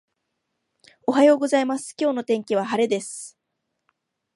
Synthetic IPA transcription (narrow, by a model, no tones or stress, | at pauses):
o̞ɦajo̞ːɡo̞zaimasɨ̥kʲo̞ːno̞t̪ẽ̞ŋkʲiβ̞aɦaɾe̞d̪e̞sɨ̥